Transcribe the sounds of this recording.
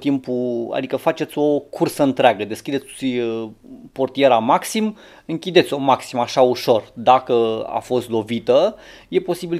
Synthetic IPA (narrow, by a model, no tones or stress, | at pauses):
t̪impua̰d̪ikəfat͡ʃe̞t̪sʲo̞kʰursəɨnt̪ɾeaɡəd̪e̞skʲid̪e̞t̪ʲ | po̞rt̪ije̞ɾamaksim | ɨŋkʲid̪et̪sʲo̞maksimaʃauʃo̞rd̪akəa̰fo̞st̪lo̞vit̪əje̞po̞sibil